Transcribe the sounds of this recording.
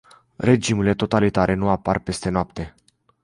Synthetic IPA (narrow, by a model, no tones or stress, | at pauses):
re̞d͡ʒimuile̞t̪o̞t̪alit̪aɾʔe̞nuaparpe̞st̪e̞noap̚t̪e̞